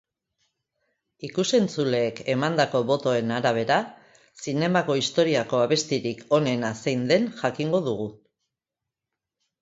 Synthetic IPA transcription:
ikuse̞nt͡sule̞ːke̞mand̪ako̞βo̞t̪o̞e̞naɾaβ̞e̞ɾa | sine̞mako̞ist̪o̞ɾiako̞aβ̞e̞st̪iɾikʰo̞ne̞nasejnd̪e̞nʝakiŋɡo̞ðuɣ̞u

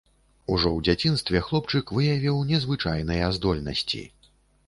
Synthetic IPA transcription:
uʐɔwd͡zʲat͡sʲinst̪vʲɛxlˠɔpt͡ʂɨkvɨjavʲiwnʲɛzvɨt͡ʂajnɨjɛzd̪ɔlʲnɐ̰sʲt͡sʲḭ

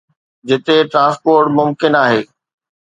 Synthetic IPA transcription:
d͡ʑɪt̪eʈɾãːspoːɾʈmʊmkɪnaːɦeː

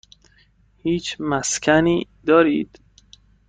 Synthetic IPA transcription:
hiːt͡ʃʰmæskʰæniːd̪ɒːɾiːd̪̥

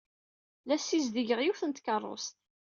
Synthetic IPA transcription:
læsːizd̪iʝəʁjuθənt̪kərˤːo̰st̪̚

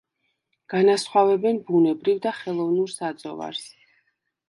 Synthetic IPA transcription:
ɡ̥anasχwavɛbɛnbunɛbɾivd̪aχɛlˠɔvnuɾsad̪zʼɔ̰va̰ɾs

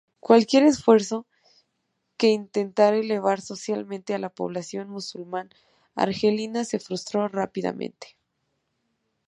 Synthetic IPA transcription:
kwalkje̞ɾe̞sfwe̞ɾso̞ | ke̞int̪e̞nt̪aɾele̞βaɾso̞sjalmẽnt̪e̞alapo̞̰β̞lasjo̞nmusulmãn | a̰ɾxelinase̞fɾust̪ɾo̞rapiða̰mḛ̃nt̪e̥

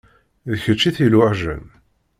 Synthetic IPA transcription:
ðəçət͡ʃːiθilʊʕʒə̰n

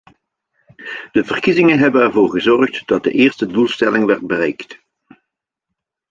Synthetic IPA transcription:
d̥əvərkizɪŋənɦɛbənɛɹvoːɹɣəzɔrχtd̥ɑt̚də̰ʔɪːrstədulˠstɛlɪŋʋɛrd̚bərɛjkt

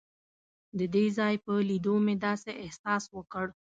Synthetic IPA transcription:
d̪əd̪ezɑjpəlid̪omed̪ɑseʔɪhsɑswəkəɽ

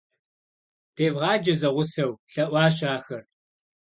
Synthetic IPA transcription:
tʰeːbʁɑːd͡ʒɐzɐʁʷʊsɐwɬɐʔʷɑːɕ̬aːxɐr

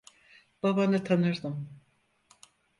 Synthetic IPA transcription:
b̥abanɯt̪ʰanɯɾd̪ɯm

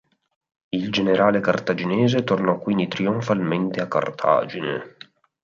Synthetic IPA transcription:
ild͡ʒeneɾaːlekart̪ad͡ʒinɛːzet̪ornɔkːwind̪it̪ɾioɱfalment̪eakːa̰rt̪ʰa̰ːd͡ʒinḛ

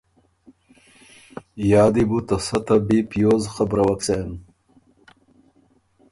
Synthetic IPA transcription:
jɑːd̪ibut̪ɐsɐt̪abipjoːzxabɾɐwɐksen

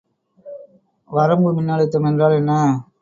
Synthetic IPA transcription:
ʋɐɾɐmɡɯmɪnːaːɭɪt̪ːɐmɛndraːlɛnːɐ

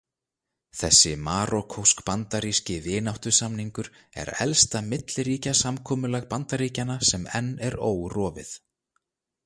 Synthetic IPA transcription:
θɛsːɪmaːɾɔkʰowskpant̪aɾiːscɪvɪːnawht̪ʏ̥samniŋkʏɾ | ɛ̰ɾɛ̰lst̪amɪt̪lɾiːcasamkʰɔːmʏlɛɣpant̪aɾiːcanasɛmɛnːɛɾoːwrɔːvɪ̰θ

